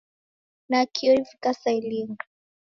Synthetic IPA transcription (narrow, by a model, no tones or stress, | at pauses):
nakʰiɔifikasailiŋɡa